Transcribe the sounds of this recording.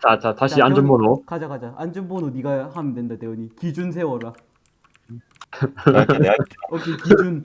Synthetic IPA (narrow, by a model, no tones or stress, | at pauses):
t͡ɕat͡ɕataɕʰiand͡ʑɯmbonokad͡ʑakad͡ʑaand͡ʑɯmbononiɡahamidwendadeʌɲikid͡ʑuns̬ʰe̞wʌɾa | ʌkʰekid͡ʑun